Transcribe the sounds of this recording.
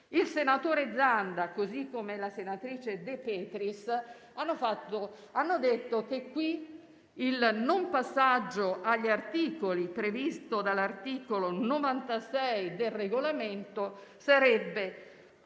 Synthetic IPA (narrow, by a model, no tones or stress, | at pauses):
ilsenat̪oːɾed̪zːand̪akozikːomelasenat̪ɾiːt͡ʃed̪epɛːt̪ɾis | anːofat̪ːo | anːod̪et̪ːok̟ekːwi | ilnompasːad͡ʒːoaʎːart̪iːkolipɾevist̪od̪alart̪iːkolonovant̪asɛjd̪elreɡolament̪osaɾɛbːe